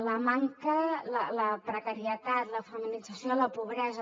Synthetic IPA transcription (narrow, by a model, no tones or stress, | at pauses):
ləmaŋkələləpɾəkəɾiət̪at̪ləfəminid͡zəsioləpuβɾɛzə